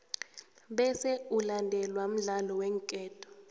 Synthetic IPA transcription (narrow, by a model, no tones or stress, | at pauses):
ɓɛsɛulandʱɛlwam̩ɮalɔwɛŋkʼɛːtʰʼɔ̥